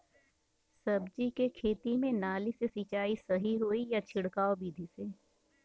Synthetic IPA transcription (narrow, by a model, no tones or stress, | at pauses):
sɐbd͡ʒikekʰeːt̪imẽnaːlisesit͡ʃaːisɐɦiɦoːijat͡ʃʰɪɽkaːobiːd̪ʱiseː